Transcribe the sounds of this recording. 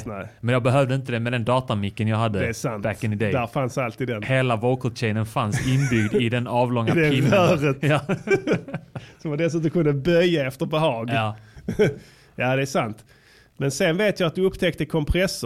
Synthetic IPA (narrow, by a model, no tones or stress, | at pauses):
nɛmɛnjɑːɡbɛɦœvd̪əɪnt̪əd̪ɛmɛd̪ɛnd̪ɑːt̪amɪkːənjɑɦad̪ːəd̪ɛːsantæk̪ːənɪd̪ɛd̪æɾfansalt̪ʰiːd̪d̪ɛnheːlavɔkʰɔɕɛɪnənfansɪnbʏɡd̪ɪd̪ɛnɑːvlɔŋːad̪ɛɪœːɾət̪j | sɔmvad̪ɛsʉːt̪̬ɔmkʰɵnd̪əbœjːaɛft̪əɾbɛɦɑːɡɑ | jaːd̪ɛːʂant̪ | mɛnsɛnveːt̪jɑat̪̚d̪ɵɵpːt̪ʰɛkt̪əkʰɔmpʰɾɛsə